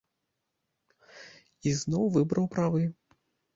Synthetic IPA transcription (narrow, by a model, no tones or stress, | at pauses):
iznɔwvɨbɾɐwpɾavɨ